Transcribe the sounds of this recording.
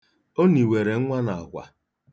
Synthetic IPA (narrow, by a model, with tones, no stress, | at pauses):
o˦ni˨we˨ɾe˨˦ŋʷa˦na˨a˨kʷa̰˨